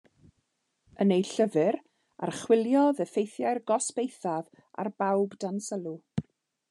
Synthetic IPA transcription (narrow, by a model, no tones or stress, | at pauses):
ənejɬəvɨɾ | a̰rχwɪlˠjɔðəfejθjajrɡɔsb̥ejθav | a̰rbawbdansəlˠu